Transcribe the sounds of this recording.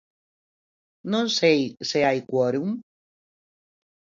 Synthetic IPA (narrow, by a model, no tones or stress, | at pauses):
nõnsejseajkwoɾuŋ